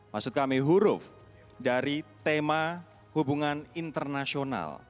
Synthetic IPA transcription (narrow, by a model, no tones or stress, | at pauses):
maksʊt̪̚kamiɦuɾʊf | daɾit̪ema | hubuŋanint̪ərnasiona̰l